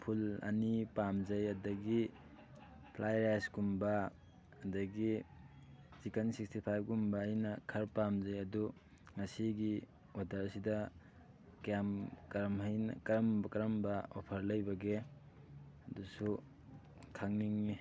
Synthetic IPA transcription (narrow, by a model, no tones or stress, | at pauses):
pʰulɐ̰nipamd͡ʒɐjɐdɐɡi | pʰlʔajɾasɡumbɐ | ɐdɐɡi | sikɐnsikstipʰajb̚ɡumbɐjnɐkʰɐɾpamzɐjɐdu | ŋɐsiɡi | wadɐɾɐsidɐ | kamkɐɾmhɐjn̰kɐɾɐmbkɐɾɐmbɐopʰɐɾlɐjbɐɡe | ɐdusu | kʰaŋniŋi